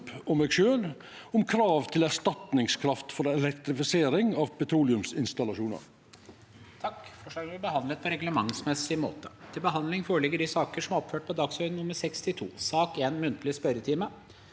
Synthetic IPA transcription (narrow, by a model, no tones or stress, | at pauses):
pɔmɛːɡʃøːl | ʊmkʰɾɑːʋt̪ʰɪlæʂt̪ɑt̪nɪŋskʰɾɑft̪fɔɾɛlɛkt̪ɾɪfɪseːɾɪŋɑʋpʰɛt̪ʰɾuːlɪʉmsɪnst̪ɑlɑʃuːnɑ̰ɾ | t̪ʰɑkfɔʂɑnʋɪbəhɑnd̪lət̪̚pʰɔɾɛɡləmɑŋsmɛsɪmo̰ːt̪ə̥t̪ʰɪlbəɦɑnd̪lɪŋfoːɾəɭɪɡːəɖɪsɑːkəʂɔmɔpføːʈ̚pʰɔd̪ɑːɡsœʏnnʊmːəɾsɛkst̪ɪt̪ʰṵːsɑːkeːnmʉnt̪lɪspœɾət̪ʰiːmə